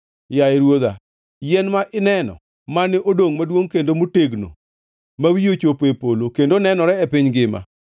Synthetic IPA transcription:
jaeɾwod̪a̰ | jɛnmaʔɪnɛnɔ̰ | manɪʔodoŋmadwoŋkendomoteɡno̰ | mawijot͡ʃopepolokendonɛnɔɾɛɛpɪɲɡɪma̰

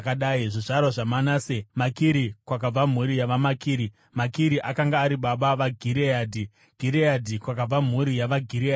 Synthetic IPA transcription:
kaɗaːiʐiʐaɾwaʐamanaːsemakiɾikwakab͡vam̤uɾijaʋamakiːɾi | makiɾiʔakaŋɡaːɾiɓaɓaʋaɡʱiɾeaːdʱi | ɡ̥ʱiɾeadʱikwakab͡vam̤uɾijaʋaɡʱiɾia

